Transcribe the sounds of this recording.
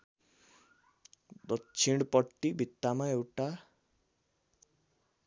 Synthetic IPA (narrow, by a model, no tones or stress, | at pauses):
d̪ʌkt͡sʰiɽ̃pʌʈːibʱit̪ːamaewʈa